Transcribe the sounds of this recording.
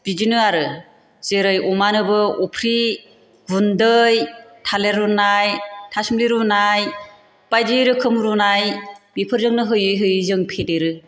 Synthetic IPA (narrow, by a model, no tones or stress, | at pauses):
bid͡ʒinɯaɾɯ | z̥eɾɯjumanɯbɯupʰɾi | bundɯjtʰaleɾunajtʰasumliɾunaj | pajdiɾɯkʰɯmɾunajbipʰɯɾzɯŋnɯɦɯjɯjɦɯjzɯŋpʰedeɾɯ